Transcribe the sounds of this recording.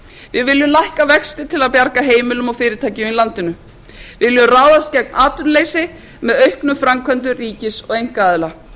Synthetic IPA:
vɪðvɪljʏlajhkavɛkst̪ɪt̪ʰɪlaðpjaɾkaɦeːjmɪlʏmɔɣfɪːɾɪt̪ʰaːjcɪʏilant̪ɪnʏ | vɪɪljʏraːwðast̪cɛk̚maːt̪ʏnleːjsɪ | mɛðœɥhknʏmfɾamkʰvœnt̪̬ʏriːcɪsɔɣejŋ̥kaaːðla

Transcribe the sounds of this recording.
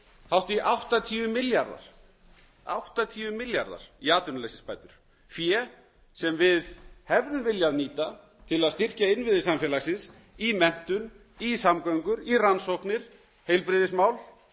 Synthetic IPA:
hawht̪ʏiʔawht̪at̪ʰiːʏmɪljaɾða̰ɾ̥ | a̰wht̪at̪ʰiːʏmɪlja̰ɾða̰ɾ̥iaːt̪ʏnʏlesɪspaːjt̪ʏɾ̥ | fjɛ | sɛmvɪðhɛvðʏmvɪljaðniːt̪a | t̪ʰɪlaðst̪ir̥caɪnvɪðɪsamfjɛːlasɪns | imɛn̥t̪ʏn | isamkaŋkʏɾiransowhknɪɾ̥ | hejlpɾɪðɪsmaːwl

